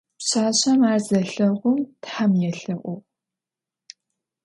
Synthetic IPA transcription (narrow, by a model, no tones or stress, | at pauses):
pɕaːɕɐmaːrzɐɬɐʁʷʊmtħamjɛɬɐʔʷʊ